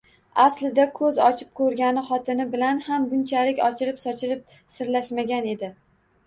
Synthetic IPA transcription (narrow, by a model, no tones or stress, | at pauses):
aslɪd̪akʰɵzɒt͡ʃʰɪ̥p̚kʰɵɾɡʲanɪχɒt̪ʰɪnɪbɪlanhamɡʊnt͡ʃʰalɪkʲɒt͡ʃʰɪɾɪpsɒt͡ʃʰɪɾɪp̚ | sɪɾlaʃmaɡʲane̞d̪ɪ